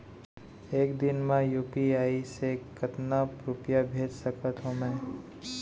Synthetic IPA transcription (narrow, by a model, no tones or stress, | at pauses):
eːkd̪ɪnmãjuːpiaːisekət̪napɾʊpjabʱeːd͡ʒsəkət̪ɦõmɛ̃ː